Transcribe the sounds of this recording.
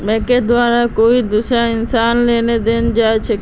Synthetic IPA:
mẽɦked̪ʊʋaːɾãkoːid̪ʊsãɪnsaːnleːned̪eːnɪ̆d͡ʑaːt͡ɕʰɐ

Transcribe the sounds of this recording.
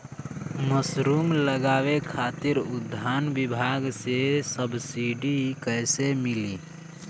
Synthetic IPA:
məsɾuːmləɡaːwekʰaːt̪ɪɾʊd̪ʱaːnbɪbʱaɡsesəbsiɖikəɪsemɪli

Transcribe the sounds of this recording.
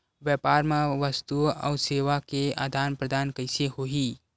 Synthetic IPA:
ʋjɛːpaːɾmẽʋəst̪uɔ̰ːseːʋakea̰ːd̪ʱaːnpɾəd̪aːnkəɪseɦoːi

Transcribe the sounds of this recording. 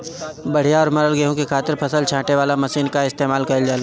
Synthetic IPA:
bɐɽ̤ijaɔːɾmɐɾəlɡeɦõkekʰaːt̪ɪɾpʰɐsəlt͡ʃʰãːʈeʋaːlamɐʃiːnkaɪst̪eːmaːlkɐld͡ʒaːl

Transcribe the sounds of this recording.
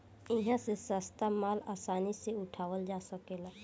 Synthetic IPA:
ɪɦãsesəst̪amaːlaːsaːniseʊʈʰaːʋəld͡ʒaːsəkeːla

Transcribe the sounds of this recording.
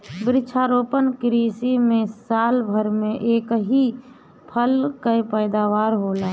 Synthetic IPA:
bɾɪt͡ʃʰaːɾoːpənkɾisimẽsaːlbʱəɾmẽʔeːkɦi | pʰəlkəjpəjd̪aʋaːɾɦoːlaː

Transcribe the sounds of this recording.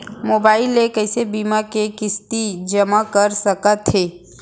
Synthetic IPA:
moːbaːɪlekəɪsebiːmakekɪst̪id͡ʒəmakəɾsəkət̪ɦeː

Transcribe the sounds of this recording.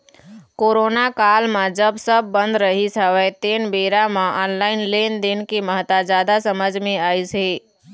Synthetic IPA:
koːɾoːnakaːlmãd͡ʒəbsəb̚ːə̃nd̪ɾəɦisəʋɛt̪eːnbeːɾamãʔɔːnlaːɪnleːnd̪ɪnkiməɦt̪ad͡ʒaːd̪asəməd͡ʒʱmẽaːisi

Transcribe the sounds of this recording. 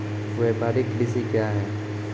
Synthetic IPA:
ebaːɾikɖisikjaɦɛː

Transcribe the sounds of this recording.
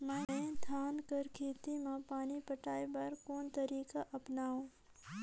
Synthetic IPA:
mə̃ẽd̪ʰʱaːnkəɾkʰeːt̪imãpaːnipəʈaːibɐɾkoːnt̪ɐɾiːkaʔɐpnaːõː

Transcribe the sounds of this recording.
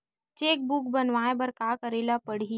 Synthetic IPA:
t͡ʃeːk̚buk̚bɐnʋaːẽbɐɾkaːkəɾeːlapəɽ̤i

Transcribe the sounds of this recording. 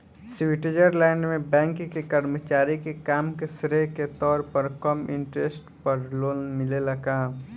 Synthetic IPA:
sʋɪʈed͡ʒəɾlɛ̃ːɳɖmẽbɛ̃ːŋkkekəɾmət͡ʃaːɾikekaːmkesɾeket̪ɔːɾpəɾkɐmɪ̰̃ɳʈɾesʈpɐɾloːmɪlelɐɡaː

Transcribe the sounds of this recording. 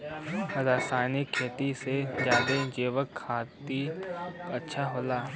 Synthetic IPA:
zaːsaːnɪkʰːeːt̪ised͡ʒjaːd̪ed͡ʒeːʋəkʰːaːt̪i | ɐtːʃʰaɦoːlaː

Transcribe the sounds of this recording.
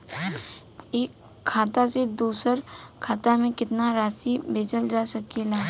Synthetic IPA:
eːkʰː | aːt̪ased̪uːsəɾkʰaːt̪amẽkɪt̪naɾaːsibʱeːd͡ʒəld͡ʒaːsɐkelaː

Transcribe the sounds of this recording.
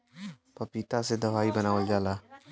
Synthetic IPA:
pɐpit̪ased̪ɐʋaːibɐnaːʋəld͡ʒaːlaː

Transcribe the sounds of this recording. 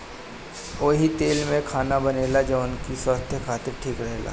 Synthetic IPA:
oːɦit̪eːlmẽkʰaːnabɐneːlad͡ʒoʊnkiswaːst̪ʰjəkʰaːt̪ɪɾʈʰiːkɾɐɦela̰ː

